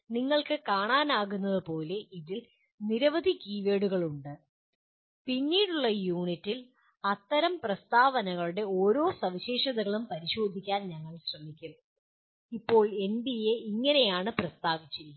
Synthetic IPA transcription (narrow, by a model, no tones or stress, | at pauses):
niŋːɐɭkɨkaːɳaːnaːɣunːɐðɨpo̞ːle̞iðil | niɾɐʋɐd̪ʱikiːʋe̞ːɽuɣɐɭuɳɖɨ | pinːiːɽuɭːɐjuːɳitːil | ɐt̪ːɐɾɐmprɐst̪aːʋɐnɐɣɐɭuɽe̞o̞ːɾo̞ːsɐʋiɕe̞ːʂɐðɐɣɐɭumpɐɾiɕo̞ːd̪ʱikʲːaːnɲɐŋːɐɭɕrɐmikʲːun | ipːo̞ːɭe̞nb̪ijeiŋːɐne̞jaːɳɨprɐst̪aːʋit͡ɕːi